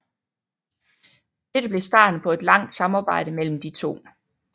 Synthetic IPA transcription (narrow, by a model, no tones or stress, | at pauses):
d̥ed̥əb̥le̝sd̥ɑ̰̈ːd̥n̩pʰɒ̽e̝d̥lɑ̈ŋ̰d̥sɑ̈mɑ̈ːb̥ɑ̈ɪ̰ɾ̥əmel̰m̩d̥it͡sʰo̝̰ː